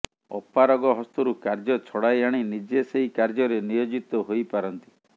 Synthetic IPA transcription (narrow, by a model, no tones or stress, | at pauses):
ɔ̰pːaɾɔɡɔɦɔst̪uɾukaɾd͡ʒɔt͡ʃʰɔɽajaɽ̃inid͡ʒeseɦikaɾd͡ʒɔɾenijod͡ʒit̪ɔɦojpaɾɔnt̪i̥